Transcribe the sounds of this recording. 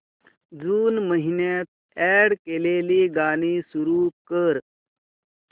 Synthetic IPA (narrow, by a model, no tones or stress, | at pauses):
d͡zuːnməɦinat̪̚ | ɛɽkeːleliːɡaːñisuɾukəɾ